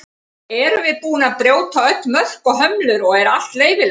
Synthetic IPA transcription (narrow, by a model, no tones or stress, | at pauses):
ɛɾʏvɪðpuːnapɾjoːwt̪ʰaœt̪mœl̥kɔɣɦœmlʏɾɔɣɛɾal̥t̪leːjvɪl